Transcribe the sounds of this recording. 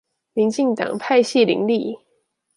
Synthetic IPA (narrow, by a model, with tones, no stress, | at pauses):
mi˨˦nt͡ɕi˥˧ŋt̪ɑ̰˨˩ŋpʰa˥˧ɪɕi˥˨lḭ˧˥ŋli˥˩˨